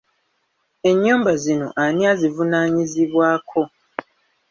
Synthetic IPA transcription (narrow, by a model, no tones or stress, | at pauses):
e̞ɲːuːmbazino̞̰ʔaniazivunaːɲiziβwaːkʰo̞